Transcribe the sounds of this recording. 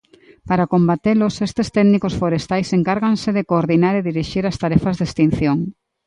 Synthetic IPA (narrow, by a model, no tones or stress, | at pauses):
paɾakombat̪elosest̪est̪ɛɡnikosfoɾest̪ajseŋkaɾɣansɪðekoːɾðinaɾeðiɾiʃiɾast̪aɾɛfazðest̪in̟θjoŋ